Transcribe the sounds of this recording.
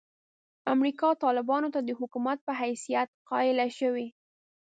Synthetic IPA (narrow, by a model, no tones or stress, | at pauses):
amɾikɑt̪ɑlɪbɑnot̪ad̪əhʊkumat̪̚pəɦajsijat̪̚qɑɪlaʃəwi